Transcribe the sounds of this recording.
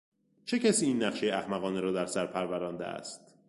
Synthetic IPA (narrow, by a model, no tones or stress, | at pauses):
t͡ʃʰe̞cʰæsiːiːnːæχʃejeæhmæɣɒːneɾɒːd̪æɾsæɾpʰæɾvæɾɒːnd̪ḛæ̰st̪